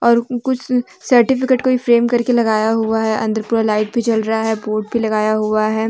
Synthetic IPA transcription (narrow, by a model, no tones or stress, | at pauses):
ɔːɾkʊt͡ʃʰ | sɐɾʈɪfɪkeːʈkoifɾeːmkɐɾkelɐɡaːjaɦuaɦɛʔɐ̃nd̪əɾpuːɾalaːɪʈ̚bʱit͡ʃɐlɾɐɦaɦɛboːʈ̚bʱilɐɡaːjaɦuaɦɛː